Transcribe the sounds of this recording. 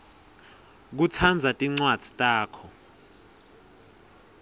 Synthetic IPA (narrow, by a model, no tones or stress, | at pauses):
k̬ut͡sʰand͡zʱatʼiŋ͡ǀwad̥z̥ʱi̥tʼaːkʰɔ